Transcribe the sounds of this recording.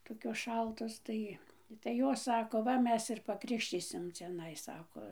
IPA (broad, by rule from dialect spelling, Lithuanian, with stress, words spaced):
toːˈkʲoːs ˈʃɐlˠtoːs ˈtɐɪ tɐɪ ˈjoːs ˈsɑːkoː ˈʋɐ ˈmʲɛs ɪr pɐkrʲɪkʃʲˈtʲiːsʲɪm t͡sʲɛˈnɐɪ ˈsɑːkoː